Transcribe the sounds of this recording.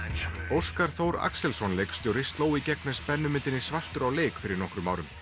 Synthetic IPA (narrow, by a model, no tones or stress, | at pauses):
owskaɾ̥θowɾa̰ksɛlsɔnlejkst̪jowɾɪst̪loːwicɛknɛspɛnːʏmɪnt̪ɪnːɪsvar̥t̪ʏɾawleːjkfɪɾɪɾnɔhkɾʏmawɾʏm